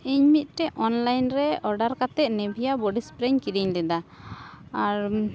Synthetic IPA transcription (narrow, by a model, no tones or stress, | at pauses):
iɲmit̪̚ʈɛʔɔnlajnɾɛɔɾɖaɾkat̪ɛʔ̪̚nɛbʱijabɔɖispɾɛɲkiɾiɲlɛd̪a | aɾ